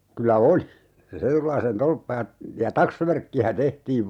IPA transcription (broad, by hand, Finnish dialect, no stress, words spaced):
kylæ oli se retulɑisen tolpːɑ jɑ jɑ tɑksʋærkːiæ tehtiːʋ